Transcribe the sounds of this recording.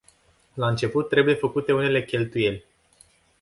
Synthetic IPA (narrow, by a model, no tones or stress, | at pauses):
laɨnt͡ʃe̞put̪ːɾe̞buje̞fəkut̪e̞une̞le̞kʲe̞lt̪uje̞lʲ